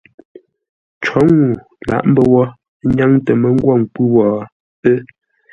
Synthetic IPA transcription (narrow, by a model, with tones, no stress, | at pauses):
t͡ʃɔ˨˦ŋu˨ | la̰˨ʔm̩˦bə˦wɔ˦ | ɲa˦ŋtə˨mə˨˦ŋ̩˦ɡwɔ˦˨ŋ˨k͡pʉ˦wɔ˨ | ə˦